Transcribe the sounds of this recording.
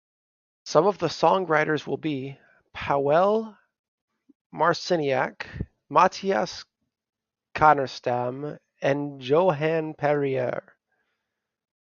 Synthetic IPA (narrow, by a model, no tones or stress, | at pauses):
sʌ̃mʌvðəsɔ̃ŋɹaɪɾə˞zwɪ̰lˠbi | pʰaʊɛlˠ | mɑɹsɪniæk | mɑtʰiə̰s | kʰɑnə˞stʰæ̃m | ɨ̃nd͡ʒoʊɦæ̃npʰɛɹiə̰ɹ